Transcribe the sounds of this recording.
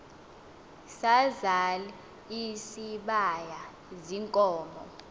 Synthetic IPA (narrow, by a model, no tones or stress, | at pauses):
sazali | isiɓaja | ziŋkʼɔːmɔ̰